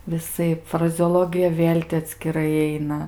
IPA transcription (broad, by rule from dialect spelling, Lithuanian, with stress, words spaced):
ʋʲɪˈsɐɪp frɐzʲɛoːˈlˠoːɡʲɪjɛ ˈʋʲeːlʲ tʲɪ ɐtʲsʲkʲɪˈrɐɪ ˈɐɪnɐ